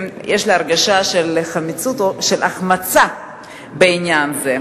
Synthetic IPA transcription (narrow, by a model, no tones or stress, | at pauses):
jʔeʃliaʁɡaʃaʃeleχamit͡sut̪oʃelʔaχmat͡sa | beinjanze